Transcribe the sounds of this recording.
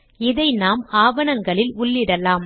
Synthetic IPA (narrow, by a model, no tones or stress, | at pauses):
ɪðɐɪnaːmaːʋɐnɐŋɡɐɭɪlʊɭːɪɽɐlaːm